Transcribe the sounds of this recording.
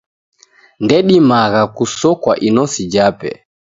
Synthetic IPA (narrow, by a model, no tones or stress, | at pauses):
ndɛɗimaɣakusɔkwaʔinɔsid͡ʒapɛ̰